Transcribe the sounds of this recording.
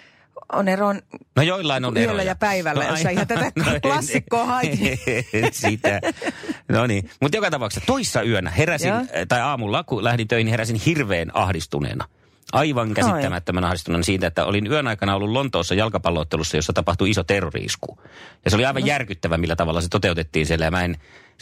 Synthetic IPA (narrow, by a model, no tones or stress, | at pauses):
oneronnojoilːɑinonelːæjɑpæiʋælnːiiɑt̪æt̪ænklsːikːoːhɑi | siːt̪ːæ | noninmut̪jokɑt̪ɑpɑˑksɑt̪oisːɑyønæ̰heræsint̪ɑiɑːmulːɑkulæhɾit̪øˑihiniheɾæsinhirʋeːnɑ̰hdist̪unḛːnɑ̰ | ʔɑiʋɑŋkæsit̪ːæmæt̪ːømænɑhdist̪uneːnɑsiːnt̪æet̪ːæ̰o̰linyønɑikɑnɑolːulont̪oːsːɑjɑlkɑpɑlːˑoːt̪ːelusːɑjosːɑt̪ɑpɑht̪uisot̪erːorḭːsku̥jɑseoliɑiʋɑjjærkyt̪ːæʋæmilːæt̪ɑʋɑlːɑset̪ot̪eut̪et̪ːiːnsielːæjɑmæin